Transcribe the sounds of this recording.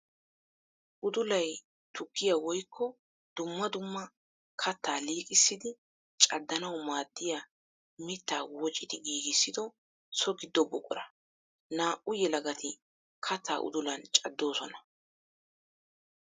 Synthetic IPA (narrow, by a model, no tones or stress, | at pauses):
ʔʊd̪ʊlɐj | t̪ʊkːɪjawɔjkːɔ | d̪̥ʊmːɐd̪ʊmːɐ | kʰɐt̪ːaːliːkʼɪsːɪd̪ɪ | t͡ʃʼɐd̪ːɐnɐwmaːd̪ːɪja | mɪt̪ːaːwɔt͡ʃʼːɪt̪ɪɡiːɡɪsːɪd̪ɔ | sɔɡɪd̪ːɔbɔkʼɔ̰ɾɐ | naːʔʊjɛlɐɡɐt̪ʰɪ | kʰɐt̪ʰːa̰ːʔʊ̰d̪ʊlɐnt͡ʃʼɐd̪ːo̞ːsɔnɐ